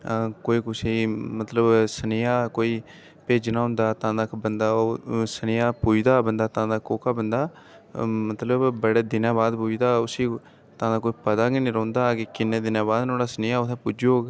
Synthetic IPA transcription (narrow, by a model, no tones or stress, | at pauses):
koːiːkʊsemət̪ləbsənejaːkoːiː | peːd͡ʒnãːɦʊ̃nd̪aːt̪ãːd̪aːkbənd̪aːosənejaːpuːd͡ʒd̪aːbənd̪aːt̪ãːd̪aːkoːkaːbənd̪aː | mət̪ləbbəɽeːd̪ɪnãːbaːd̪puːd͡ʒd̪aːʊsiː | t̪ãːd̪aːkoːiːpəd̪aːɡinĩːɾə̃ːnd̪aːkekɪnːẽːd̪ɪnãːbaːd̪noːɽaːsənɪjaːʊt̪ʰẽːpʊd͡ʒoːɡ